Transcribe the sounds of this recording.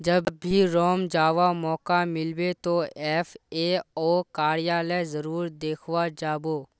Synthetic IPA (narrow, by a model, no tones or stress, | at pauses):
d͡ʒəbːʱiɾɔːmd͡ʒaːʋamɔːkamɪlbet̪oɛːfeːɔːkaːɾijaːlɛzəɾuːɾd̪eːkʰʋad͡ʒaːboː